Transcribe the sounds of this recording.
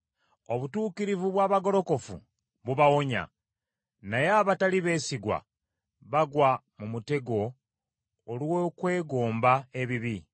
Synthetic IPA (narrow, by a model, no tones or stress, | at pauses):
o̞βutuːkiɾivuβwaːβaɡo̞ɾo̞ko̞fṵ | βuβawo̞ɲa̰ | najeaβataliβe̞ːsiɡwa̰ | βaɡwamumute̞ɡo̞ː | lwokwe̞ːɡoːmbae̞βiβi